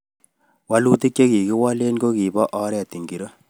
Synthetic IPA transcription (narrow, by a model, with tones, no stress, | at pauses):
wa˦luː˦ti˦k̚t͡ʃe˦ki˨ki˦wɔ˦le˦nko˦ki˨bɔ˦ʔɔ˦ɾɛ˨ti˨ŋɡi˨ɾo˦